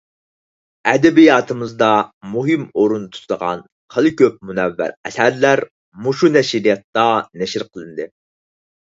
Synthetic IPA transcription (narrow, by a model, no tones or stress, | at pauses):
ɛd̪ɛbijɑːt̪ʰɨmɨzd̪ɑmuɦɨmoɾunt̪ʰu̥t̪ʰd̪əʁɑ̰n | qʰəlˠɨkʲʰøp̚munɛvːæ̰ɾɛ̰sæɾlæɾ | muʃunɛʃiɾijɑt̪ːɑnɛʃɪɾqʰəlˠɨnd̪ɨ